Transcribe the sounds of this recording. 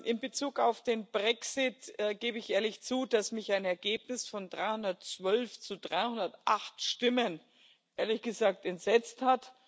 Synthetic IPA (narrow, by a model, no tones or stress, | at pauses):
ʔɪnbət͡suːkaʊfd̥eːnbʁɛksɪtːɡeːbəɪçʔeːɐlɪçt͡suːd̥asmɪçaɪnɛɐɡeːpnɪsfɔndʁaɪhʊndɐtt͡sv̥œlft͡sudʁaɪhʊndɐtʔaχtʃtɪmən | ʔeːɐlɪçɡ̥əzaːk̚tɛntz̥ɛt͡sthat